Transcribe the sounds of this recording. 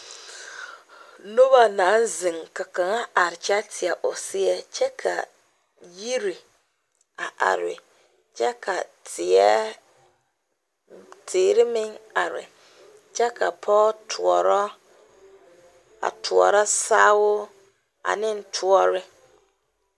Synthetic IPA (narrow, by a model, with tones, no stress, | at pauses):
no˦ba˨naː˨˦n˦zɪ˨ŋka˨ka˨ŋa˦ʔa˨ɾɪ˨t͡ʃa˦tʰɪ˨ɛ˨ʔʊ˨sɪ˦ɛ˦t͡ʃɛ˦kʰa̰˨ | ji˦ɾi˨ | a˨ʔa̰˨ɾɪ̰˨ | t͡ʃɛ˦kʰa˨tʰɪ˨ɛ˦ | tʰeː˨ɾɪ˦mɪ˦ŋa˨ɾɪ̰˨ | t͡ʃɛ˦kʰa˨pʰɔː˦tʰʊ˨ɔ˨ɾɔ˦ | a̰˨tʰʊ˨ɔ̰˨ɾa˦saː˦wʊ˦ | a̰˨nɪ˦n˦tʰu˦ɔ˦ɾɪ˦